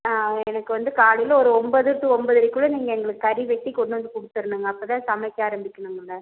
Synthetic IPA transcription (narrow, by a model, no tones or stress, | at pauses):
aːɛnɐkːɯʋɐnd̪ɯkaːɭɪlɔɾɯɔmbɐðɯɾt̪ːɯɔmbɐðɐɾɪkːuːɭɐniːŋɡɐɛŋɡɐɭɯkːɯɐɾiʋɛʈːikɔɳɖɯʋɐnd̪ɯkʊɽɯt̪ːɯɾɯnːɯŋɡɐːpːɐt̪ãːsɐmɐjkːeaːɾɐmbɪkʲːɐɳɯŋɡɐɭːɐ